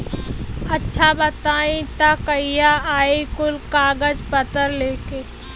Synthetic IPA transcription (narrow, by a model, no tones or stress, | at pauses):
ɐtːʃʰabɐt̪aːĩt̪akəijaaːikʊlkaːɡəd͡ʒpɐt̪əɾleːkeː